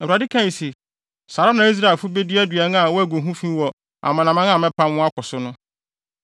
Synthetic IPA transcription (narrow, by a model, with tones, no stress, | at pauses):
ɛ˨a˨dɪ˦kʰã˦ji˨se˨ | sa˨ɾa˦nã˨˦i˦s̬ɾa˦˨e˨fʊ˦be˦dɪ˦æ˦dɥɛ˨n˦a˨wɔ˦æ˨ɡo˨ɦũ˦fĩ˦wɔ˨ | a̰˨mã˨nã˨mã˦nã˦˨mɛ̃˦pʰã˦mwʊ̃˦a˦kʰɔ˨sʊ˦nʊ̃˦